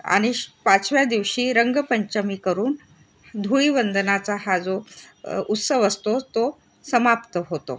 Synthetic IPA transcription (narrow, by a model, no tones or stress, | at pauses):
a̰ɽ̃ipat͡sʋjad̪iʋɕiːɾəŋɡəpəɲt͡ɕəmiːkəɾuːn | d̪ʱuɭiːʋənd̪ənat͡saɦad͡zo | ut̪səʋəst̪ot̪o | səmapt̪əɦot̪o̰